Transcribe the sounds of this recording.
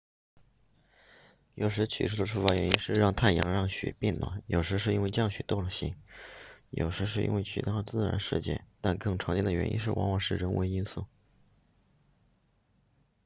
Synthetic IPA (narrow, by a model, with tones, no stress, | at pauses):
jo˨˩ʊʂ̬ɻ̩˧˥t͡ɕʰy̰˨˩ʂɻ̩u˥˩d̪ə˩ʈ͡ʂʰu˥˩fa˧˥ɥɛ˧˥ni˥nʂɻ̩˥˧ɻɑ˥˧ŋt̪ʰa˥˩njɑ̰˧˥ŋɻɑ˥˩ŋɕɥɛ̰˨˩pjɛ˥˩nlwa̰˧˩njʔo˨˩ʊʂɻ̩˧˥ʂ̬ɻ̩˥˧i˥we˥˧ɪt͡ɕjɑ˥˩ŋɕɥɛ˨˩t̪o˥˩ʊlə˧˩ɕḭ˧˥ŋ | jʔo̰˨˩ʊʂɻ̩˧˥ʂ̬ɻ̩˥˧ḭ˥nwe˥˩ɪt͡ɕʰy̰˨˧˩t̪a˥˩t͡sɹ̩˥˩ɻa̰˧˥nʂɻ̩˥˧t͡ɕjɛ̰˥˩t̪a˥˧nkɤ˥˩ŋʈ͡ʂʰɑ˧˥ŋt͡ɕɛ˥nd̪ə˩ɥɛ˧˥nʔḭ˥nʂɻ̩˥˩wɑ̰˧˥ŋwɑ˨˩ŋʂɻ̩˥˩ɻə˧˥nwʔḛ˧˥ɪi˥nsu˥˩